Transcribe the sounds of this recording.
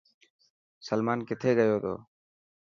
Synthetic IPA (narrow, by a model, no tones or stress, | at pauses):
səlmaːnkɪt̪ʰeːɡəjoːt̪o̰ː